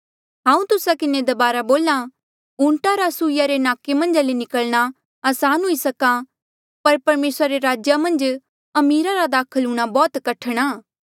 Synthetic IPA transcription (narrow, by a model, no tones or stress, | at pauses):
ɦãːũt̪ʊsakɪned̪ɐbaːɾaboːla | ʊ̃ɳʈaɾasuːɪjaɾenaːkemɐ̃nd͡ʒalenɪkəlɽ̃a | aːsaːnɦʊisɐka | pɐɾpɐɾmeːsɾaɾeɾaːd͡ʒjamɐ̃nd͡ʒ | ɐmiːɾaɾad̪aːkʰəluɽ̃abɔːt̪kɐʈʰɽ̃aː